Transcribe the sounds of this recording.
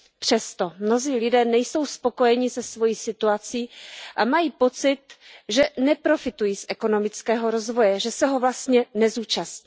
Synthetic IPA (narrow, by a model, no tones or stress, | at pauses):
pr̝̥ɛst̪omno̞ziːlɪdɛːnɛjso̞wspo̞ko̞jɛɲɪsɛsvo̞jiːsɪt̪uat͡siːʔamajiːpo̞t͡sɪt̪ʒɛnɛpɾo̞fɪt̪ujiːsʔɛko̞no̞mɪt͡skɛːɦo̞ɾo̞zvo̞jɛʒɛsɛɦo̞vlast̪ɲɛnɛzuːt͡ʃasɲiː